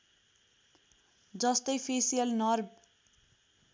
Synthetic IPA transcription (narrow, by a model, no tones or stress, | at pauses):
d͡zʌst̪ʌjpʰesijʌlnʌrb